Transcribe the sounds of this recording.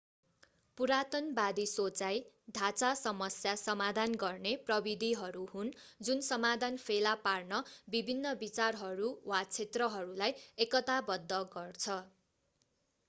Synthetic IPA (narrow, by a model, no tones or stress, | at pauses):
puɾat̪ʌnbad̪isot͡sajd̪ʱat͡sasʌmʌsjasʌmad̪ʱanɡʌrneprʌbid̪ʱiɦʌɾuhund͡zunsʌmad̪ʱanpʰelaparnʌbibʱinːʌbit͡sarɦʌɾuwat͡sʰet̪rʌɦʌɾulajekʌt̪abʌd̪ʱːʌɡʌrt͡sʰʌ